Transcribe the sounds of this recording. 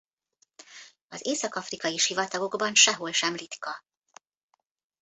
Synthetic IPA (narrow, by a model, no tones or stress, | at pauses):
ɒzeːsɒkɒfrikɒjiʃivɒt̪ɒɡo̞ɡbɒnʃɛɦo̞lʃɛmlit̪kɒ